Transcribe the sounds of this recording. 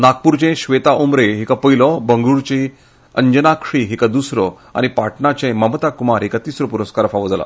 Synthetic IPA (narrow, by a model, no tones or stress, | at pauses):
nak̚puɾt͡ɕẽɕʋet̪aʔumɾeɦikapəjlɔbəŋɡuɾt͡ɕi | əɲd͡ʑənakʂiɦikad̪usɾɔ | a̰nipaʈʰɳat͡ɕẽməmət̪akumaɾɦikat̪isɾɔpuɾəskaɾəfaʋəd͡zla̰